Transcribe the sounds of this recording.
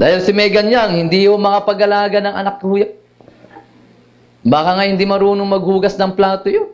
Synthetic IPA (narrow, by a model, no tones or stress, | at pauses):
d̪aːhɪlsɪmɐjɡɐɲaŋhɪnd̪ihomɐkapɐɡɐlaːɡɐnɐŋʔɐ̰nak̚ːhuja | baːkɐŋahɪnd̪imɐɾuːnoŋmɐɡ̚huːɡɐsnɐŋplaːt̪ojo